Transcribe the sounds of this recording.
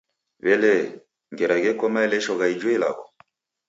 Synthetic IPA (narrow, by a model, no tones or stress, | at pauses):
βɛlɛ | ŋɡɛɾaɣɛkɔmaɛlɛʃɔɣaid͡ʒwɛla̰ɣɔ̰